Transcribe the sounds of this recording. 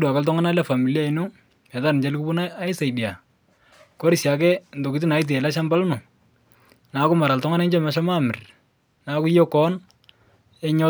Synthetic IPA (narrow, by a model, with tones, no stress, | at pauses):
dwa˨ka˨ltɔ˦ŋa˦na˦lɛ˦fa˨mi˨li˦a˦i˨nu˦ | ɛ˨ta˦nɪ˨ɲd͡ʒa˦lɪ˦ku˦bu˦naa˦ɪ˦sa˨ɪ˨di˨a˨ | ko˦ɾɪ˨sja˨k̬ɛ˦n̩˨do˨kɪ˦t̬ɪ˦na˨ɪ˦t̬ɛ˨la˦ʃa˦mba˦lʊ˦nʊ˨ | na˨˦kʊ˦ma˨ɾa˨ltɔ˦ŋa˦nɛ˦ɲd͡ʒɛ˦mɛ˨˦ʃa˦ma˦˨mɪ˨r | na˨kʊ˦jɔ˦kɔ˦n | ɛ˦ɲɔ˦